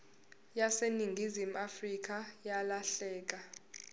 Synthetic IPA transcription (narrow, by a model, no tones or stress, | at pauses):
jaseniŋɡʱizim̩afrik̬ʼajalaɬɛːk̬ʼa